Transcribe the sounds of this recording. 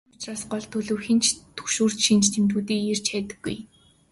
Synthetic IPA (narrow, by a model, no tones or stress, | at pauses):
ʊ̥t͡ɕraːsɢɔɮt̪ʰːɵɮɵ̆ːxĭnt͡ɕt̪ʰɵxʃuːr̥t͡ɕʃint͡ɕt̪ʰemt̪uːt̪iːker̥t͡ɕʰæːt̪ɘ̆ɡːṵj